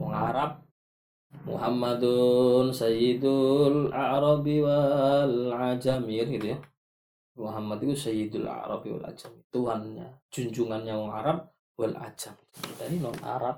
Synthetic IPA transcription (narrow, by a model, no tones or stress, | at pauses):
wɔŋa̰ɾap̚ | mṵɦamːad̪unsajid̪ulaɾɑbiwalʕad͡ʒamikrɡit̪uja | muɦamːad̪ik̪usajid̪ula̰ɾɑ̰biwa̰la̰d͡ʒamit̪uanɲa̰d͡ʒuɲd͡ʒuŋanɲawɔŋa̰ɾap̚ | wala̰d͡ʒamd̪aninɔna̰ɾap̚